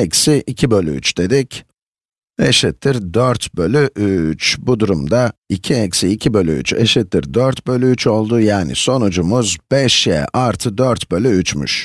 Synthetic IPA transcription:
ɛcsiʔicʰibø̞lʲy̰y̰t͡ʃd̪e̞d̪ic | ḛʃit̪ʰːiɾd̪øɾt̪bø̞lʲyʔyt͡ʃbud̪uɾumd̪aicʰiɛcsiːcʰibø̞lʲy̰y̰t͡ʃeʃit̪ːiɾd̪øɾt̪bø̞lʲyyt͡ʃʰo̞lˠd̪ujaːnḭso̞nud͡ʒumuzb̥ɛʃjɛ̰ʔaɾt̪ʰɯd̪øɾt̪bø̞lʲyyt͡ʃmy̰ʃ

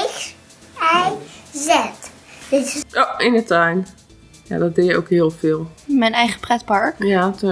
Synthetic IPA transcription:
xs | ɛjzɛt | dɪtʔoɪnətajn | ja̰dɔt̚dɪjəowkɦɪəlˠfɪːlˠmɛjnɛjχə̥prɛtpɑɹkjatu

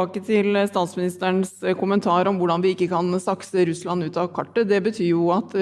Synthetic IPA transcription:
kət̪ʰɪlst̪ɑːt̪smɪnɪst̪əɳskʰʊmənt̪ʰɑːɾɔmʋʊɖɑnʋɪɪkːəkʰɑnsɑksəɾʉslɑnʉːt̪ɑʋkʰɑʈːəd̪ɛbət̪ʰyːjʊɑt̪

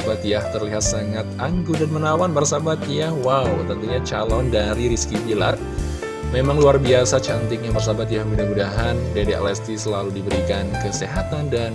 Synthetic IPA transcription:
bat̪jaht̪ərliɦat̪səŋat̪̚aŋɡudanmənawanbərsabat̪jahwawt̪ənt̪uɲat͡ʃalɔndaɾiɾiskibila̰r | memaŋluarbiasat͡ʃant̪ɪk̚ɲabərs̬abat̪jahmudahmudaɦandedeʔa̰lɛst̪isəlaludibəɾikankəseɦat̪andan

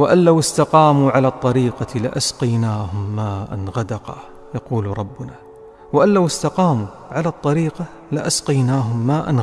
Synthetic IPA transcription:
waʔanlawɪst̪ɑqɑːmuːʕalaːt̪ˤːɑɾiːqɑlɪʔasqɑjnaːhʊmːaːʔa̰nɣad̪ɑqɑ̰ | jɑquːlɾˤɑbːʊnaː | waʔanlawɪst̪ɑqɑːmuː | ʕalaːt̪ˤːɑɾiːqɑ | lɪʔasqɑjnaːɦʊmːaːʔan

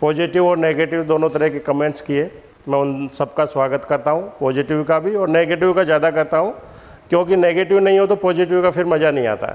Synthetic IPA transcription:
pɔːzɪʈɪʋɔːɾneːɡeːʈɪʋd̪oːnõt̪ɐɾəɦkekɐmẽːɳʈskieː | mɛ̃ːʊnsɐbkaswaːɡət̪kɐɾt̪aɦũpɔːzɪʈɪʋkabʱiɔːɾneːɡeːʈɪʋkazjaːd̪akɐɾt̪aɦũː | kjõːkineːɡeːʈɪʋnɐɦĩɦot̪̬opɔːzɪʈɪʋkafʰɪɾmɐd͡ʒanɐɦĩa̰ːt̪a̰ɦɛ̰

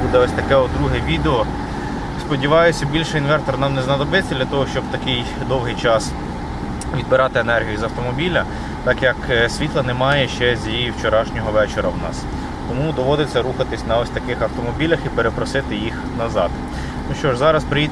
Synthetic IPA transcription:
ud̪ɛɔsʲt̪ɐkɛɔd̪ɾuɦɛʋʲid̪eɔ | spɔdʲiʋɑjʊsʲɐbʲilʲʃɛinʋɛrt̪ɔrnɑmnɛznɐd̪ɔbɪt͡sʲːɐd̪lʲɐt̪ɔɦɔʃt͡ʃɔbt̪ɐkɪj | d̪ɔwɦɪjt͡ʃɑs | ʋʲid̪̚bɪɾɑt̪ɪenɛrɦʲijʊizɐwt̪ɔmɔbʲilʲɐ | t̪ɑkjɐksʲʋʲit̪lˠɐnɛmɑjɛʃt͡ʃɛzʲjijiwt͡ʃeɾɑʃnʲɔɦɔʋɛt͡ʃeɾɐwnɑ̰s | t̪ɔmud̪ɔʋɔd̪ɪt͡sʲːɐɾuxɐt̪ɪsʲnɐɔsʲt̪ɐkɪxɐwt̪ɔmɔbʲilʲɐxipeɾepɾɔsɪt̪ɪjix | nɐzɑ̰d̪ | nuʃt͡ʃɔʒzɑɾɐspɾɪji

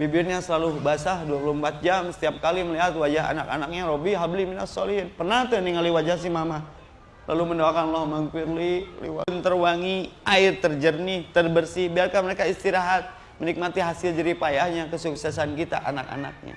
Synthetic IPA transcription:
bibɪrɲasəlalubasahduapulumpat̪̚d͡ʒamsə̥t̪iap̚kaliməliɦat̪̚wad͡ʒaɦa̰naka̰nak̚ɲaɾobiɦabliminasɔliɦɪnpərnaht̪uniŋaliwad͡ʒahs̬imama | lʔa̰luməndaakanlɔhmaŋkirlilḭwa̰nt̪ərwaŋiʔaɪrt̪ərd͡ʒərnit̪ərbərsibiarkanməɾekaist̪iɾaɦat̪̚ | mənik̚mat̪iɦasɪld͡ʒaɾipajahɲakəsuksɛsankit̪a̰ʔanaka̰na̰k̚ɲa̰

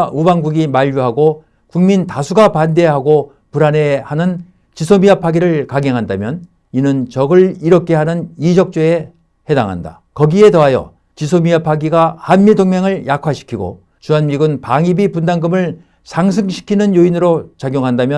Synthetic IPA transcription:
ubaŋɡuɡimaʎːjuɦaɡo | kuŋmintasʰuɡapande̞ɦaɡo | puɾane̞hanɯn | t͡ɕisʰomiapʰaɡiɾɯɭkaŋeŋɦandamjʌn | inɯnt͡ɕʌɡɯɭiɾʌkʰe̞ɦanɯnid͡ʑʌk̚t͡ɕ͈oe̞ | he̞daŋɦa̰nda̰ | kʌɡie̞tʌɦajʌ̰ | t͡ɕisʰomiapʰaɡiɡahanmidoŋmeŋɯɭjakʰwaɕʰi̥kʰiɡo̰ | t͡ɕuanmiɡɯnpaŋibipundaŋɡɯmɯɭ | sʰaŋsʰɯŋɕʰi̥kʰinɯnjoinɯɾot͡ɕaɡjoŋɦandamjʌ

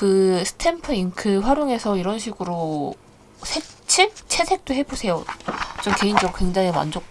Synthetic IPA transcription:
kɯsʰɯ̥tʰenpʰɯiŋkʰɯɸwaɾjoŋe̞sʰʌiɾʌnɕʰiɡɯɾo | sʰet͡ɕʰet͡ɕʰe̞sʰe̞k̚t͈oɦe̞bosʰe̞jot͡ɕomke̞ind͡ʑʌk̚kweŋd͡ʑaŋema̰nd͡ʑok

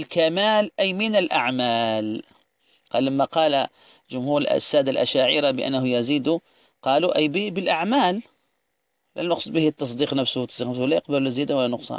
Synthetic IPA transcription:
əlkæmælʔæjmənəlʔaʕmæːl | qɑlːəmːaqɑl | ʒʊmhuɾ̰sːæd̪alʔæ̰ʃaʕḭɾabəʔə̰nːhʊjæzid̪u | qɑluʔæjbbəlʔaʕmæl | læ̰nɑqsˤud̪̚ˤbəhit̪ːɑs̬ˤd̪iqnəfsht̪ːɑsˤd̪iqnəfslæjəq̚bælzjæd̪awəlːænʊqsˤɑ̰n

